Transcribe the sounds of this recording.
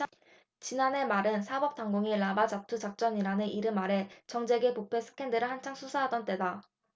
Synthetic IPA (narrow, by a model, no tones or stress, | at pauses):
t͡ɕinane̞maɾɯnsʰabʌp̚t͈aŋɡoŋiɭabad͡ʑatʰud͡ʑak̚t͡ɕ͈ʌɲiɾanɯnʔiɾɯmaɾe̞t͡ɕʌŋd͡ʑe̞ɡe̞popʰe̞sʰɯ̥kʰe̞ndɯɾɯɭhant͡ɕʰaŋsʰusʰaɦadʌnt͈e̞da